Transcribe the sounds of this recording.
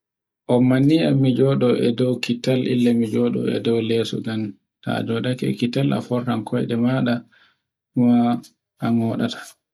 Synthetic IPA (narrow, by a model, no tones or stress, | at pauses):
ʔɔmːanːiamːid͡ʒɔɗɔɛdɔwkitalʔḭlːamid͡ʒɔːɗɔ̰ɛ̰dɔwlɛːsɔ̰ɡan | ta̰d͡ʒɔɗakɛ̰kitala̰fɔrːankʰɔjɗɛmaɗa | ɗuma | ʔanɔːɗa̰tḁ